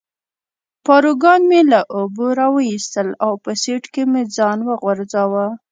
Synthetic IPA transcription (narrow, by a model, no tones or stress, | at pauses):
pɑɾuɡɑnmelaʔoboɾɑwəist̪əlawpəseʈkemed͡zɑnwəɣwaɾzɑwa